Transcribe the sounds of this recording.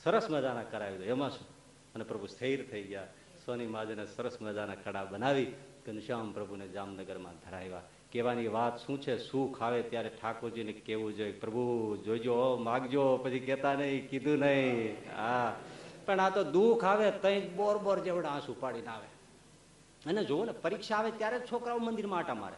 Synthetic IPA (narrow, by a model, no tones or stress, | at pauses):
səɾəsməd͡ʒanakəɾajid̪oemãsũ | ənepɾəbʱusəiɾt̪ʰəiɡja | sənimãd͡ʒenesəɾəsməd͡ʒanakəɽabənaʋikenɪʃampɾəbʱuned͡ʒaːmnəɡəɾmãd̪ʱəɾajʋa | keʋaniʋaːt̪ʃũt͡ʃʰesũkʰaʋet̪jaɾeʈʰakoɾd͡ʒinekeʋũd͡ʒoepɾəbʱud͡ʒoid͡ʒomãɡd͡ʒopət͡ʃʰikɛt̪anəɦĩkid̪ʱũnəɦĩa | pəɳat̪od̪ukʰaːʋet̪ə̃ĩkbɔːɾbɔɾd͡ʒeʋɽãːsupaɽinaːʋe | əned͡ʒoʋonepəɾikʃaːʋet̪jaɾet͡ʃʰokɾaʋomə̃nd̪iɾmãːʈama̰ːɾḛ